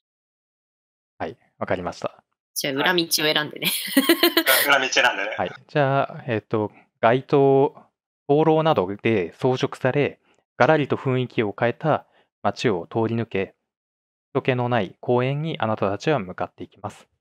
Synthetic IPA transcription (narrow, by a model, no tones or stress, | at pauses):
hai | βakaɾʲimaɕi̥t̪ḁ | d͡ʑaɯ̟ɾamʲit͡ɕio̞e̞ɾãnd̪e̞̰ne | ɯ̟ɾamʲit͡ɕieɾãnd̪enehaid͡ʑaːe̞t̪ːo̞ | ɡ̥ait̪o̞ː | b̥o̞ːɾo̞ːnad̪o̞d̪̥e̞so̞ːʑo̞kɯ̟̥saɾe̞ | ɡ̥aɾaɾʲit̪o̞ɸɯ̟̃ɰ̃ikʲio̞kae̞t̪a | mat͡ɕio̞t̪o̞ːɾʲinɯ̟ke̞̥ | t̪o̞ke̞no̞naikʰo̞ːẽ̞ɲ̟ːiʔanat̪at̪at͡ɕiβamɯ̟kat̪ːe̞ikʲimasɨ̥